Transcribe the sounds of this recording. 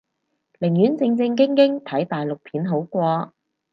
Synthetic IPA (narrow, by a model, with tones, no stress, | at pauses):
lɪ˨˩ŋjyː˨˥nt͡sɪ˧ŋt͡sɪ˧ŋk̬ɪ˥ŋkɪ˥ŋt̪ʰɐ˨˥jt̪aː˨jlʊ˨k̚pʰiː˨˥nɦo˨˥wkʷɔː˧